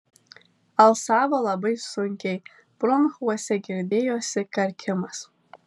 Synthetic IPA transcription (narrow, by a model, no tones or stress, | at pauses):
alsaːvalabajzsonkʲʼej | b̥ronχwasaɡʲɪrdejwasɨkʼarkʲʰɪmas